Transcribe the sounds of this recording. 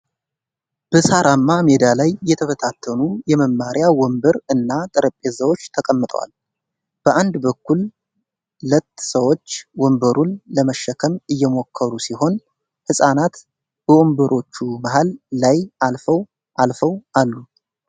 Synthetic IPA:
b̥əsaɾʔamːamed̪alajːɛt̪ʰəfət̪ʰat̪ʰːənujɛməmːaɾjawɔmbəɾɨnːat̪ʼəɾəpʼːezəwo̞t͡ʃːt̪ʰəkʼəmːɨt̪ʼəwa̰l | b̥əʔand̪bəkʰːul | lət̪ːsəwo̞t͡ʃːwɔmbəɾʔunləməʃːəkʰəmɨjːɛmo̞kʰːəɾusiho̞n | hɨsʼanat̪ | b̥əʔombəɾʔo̞t͡ʃːumaɦalːajʔalfəw | ʔalfəwʔalːu

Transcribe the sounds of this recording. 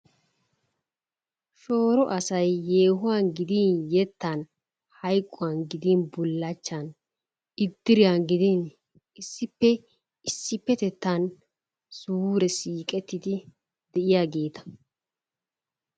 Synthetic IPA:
ʃo̞ːɾɔʔɐsɐjːeːhʊwanɡɪd̪injɛt̪ːɐn | hɐjkʼːʊwanɡɪd̪inbʊlːɐt͡ʃːɐn | ɪd̪ːɪɾɪjanɡɪd̪in | ɪsːɪpːɛ | ɪsːɪpːɛt̪ɛt̪ːan | suːɾɛsiːkʼɛt̪ːɪd̪ɪ | d̪ɛʔɪjaːɡe̞ːt̪ɐ̥

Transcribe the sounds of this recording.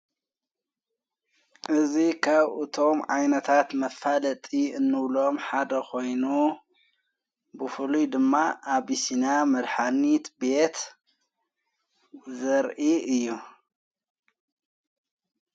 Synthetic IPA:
ʔɨzikʰaβʔɨt̪ʰo̞mʕa̰jnɐt̪ʰat̪mɐfalɐt̪ʼiɨnːɨβlo̞mħad̪ɐkʰo̞jnu | bɨfɨlujd̪ɨmːaʔaβisinamɐd̪ħanit̪bet̪ | zɐɾʔiɨjːu

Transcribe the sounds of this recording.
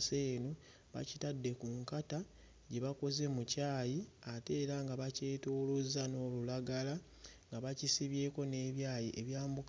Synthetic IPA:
seːno | βa̰citadːe̞kuŋkata | ɟeβako̞ze̞mucaːjiate̞ːɾaŋɡaβace̞ːtoːlozano̞ːlulaɡala | ŋɡaβacisiβje̞ːko̞ne̞ːβjaːjiʔeβjaːmbuk

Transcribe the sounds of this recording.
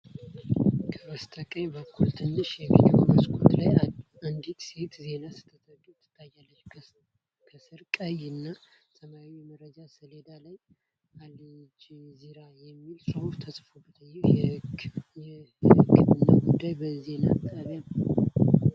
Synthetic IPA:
kʰəməst̪ʼʰəkʼəɲbəkːult̪ʰɨnːɨʃjɛɡḭd̪ioməsʼkʰʼo̰t̪laja | and̪it̪se̞t̪ze̞nasɨ̥t̪ʰːət̪ʰʼəɡʼit̪ʰːɨ̥t̪ʼːajːalːət͡ʃː | kʰəsɨɾkʼəjɨnːasəmaimərəd͡ʒasɨle̞d̪alaj | alid͡ʒziɾajɛmːilsɾəhuft̪ʰəsʼfobət̪ʰəjːɛ | jɛ | hɨkːɨβɨnːa̰ɡud̪ːajbəze̞na̰t̪ʼːəβjanə

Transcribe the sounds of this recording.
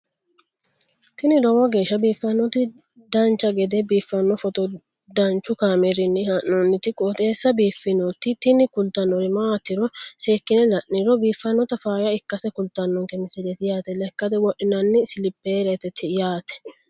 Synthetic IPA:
t̪ɪnɪɾɔwɐɡe̞ːʃːɐbiːfːɐnːɔt̪ɪ | d̪ɐnt͡ʃːɐɡɛd̪ɛbiːfːɐnːɔfɔt̪ɔ | d̪ɐnt͡ʃːʊkaːmɛɾɪnːɪhɐʔːɔnːɪt̪ɪkʼoːt̪ʼe̞ːsːɐbiːfːɪnɔt̪ːɪt̪ɪnɪkʊlt̪ɐnːɔɾɪmaːt̪ːɪɾɔseːkːɪnɛlɐʔniɾɔbiːfːɐnːɔt̪ɐfaːjɐɪkːɐsɛkʊlt̪ːɐnːɔŋkɛmɪsɪd̪ɛt̪ɪjaːt̪ɛlɛkːɐd̪ɛwɔʔɪnɐnːɪsɪlɪpːeɾɛt̪ɛt̪ʰɪjaːt̪ɛ̥

